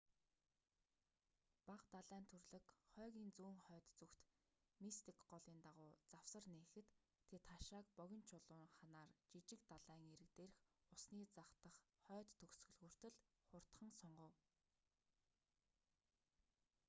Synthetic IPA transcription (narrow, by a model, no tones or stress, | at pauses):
paqt̪aɮæːnt̪ʰɵrɮɘ̆kχœːɣʲiːnt͡suːŋχœːt̪t͡sɵkt̪ | mist̪ʰikɢɔɮiːnt̪aʁʊːt͡sawsə̆rneːxɘ̆t̪ʰː | et̪χaʃaːkpɔɣʲɪ̆nt͡ɕʰʊɮʊːŋχanaːrt͡ɕit͡ɕɪ̆k̚t̪aɮæːŋeɾɘ̆kt̪eːrɘ̆xʊsniːt͡saχt̪ə̆χχœːt̪ːʰɵxsɣɵ̆ɮɣuːr̥t̪ɘ̆ɮχʊr̥t̪χə̆ŋsɔɴɢə̆w